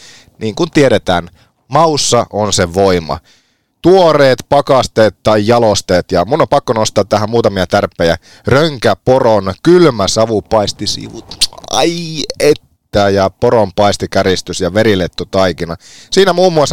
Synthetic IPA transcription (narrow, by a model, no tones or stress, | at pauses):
niːŋkunt̪ieɾet̪æ̰ːn | mɑusːɑʔonseʋoimɑ̰ | t̪uoreːt̪pɑkɑst̪eːt̪t̪ːɑjjɑlost̪eːt̪jɑmunːompɑkːonost̪ˑɑːt̪ːæɦæmmuːt̪ɑmiɑt̪ærpːˑejæ̰ | røŋkæporonkylmæsɑʋupɑist̪isḭʋṵt̪ɑ̰iet̪ːæːjɑpoɾompɑist̪ikæɾist̪ysjɑʋeɾilet̪ːut̪ɑikinɑsiːnæmuːmːuɑsː